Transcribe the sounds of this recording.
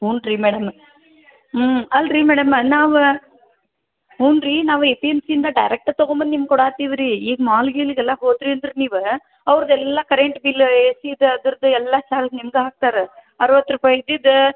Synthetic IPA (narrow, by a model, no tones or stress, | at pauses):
ɦuːnɾimeːɽɐm | ɐlɾimeːɽɐmnaːʋɐ | ɦuːnɾinaːʋɐepiɛmsind̪ãːɖɐɪɾɐk̚ʈat̪ɔɣombɐnnimɐkːɔɽaːt̪iʋɪɾiiːɡmaːlɡilkɛlːãːpoːt̪ɾiɛnd̪ɯɾɯniːʋɯ | ɐʋɐɾɐðɯɛlːãːkɐɾɛɳʈbiːleːsiːd̪ɯɐðɯɾɯðɯɛlːaːt͡ʃaːlsnɪmɡɐaːk̚t̪aːɾɯ | ɐɾɯʋɐt̪ːɯɾɯpɐɪðid̪ɯ